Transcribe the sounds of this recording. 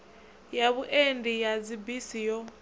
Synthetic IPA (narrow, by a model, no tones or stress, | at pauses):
jaβuʔendijad͡zibisijɔ